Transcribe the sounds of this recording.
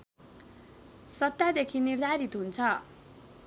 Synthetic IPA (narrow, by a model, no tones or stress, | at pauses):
sʌt̪ːad̪ekʰinird̪ʱaɾit̪ɦunt͡sʰʌ